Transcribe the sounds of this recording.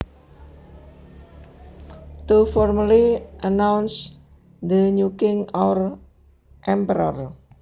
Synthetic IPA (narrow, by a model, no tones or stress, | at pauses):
t̪ufɔrməliʔənawns | d̪əɲukɪŋɔwr | ʔɛmpəɾər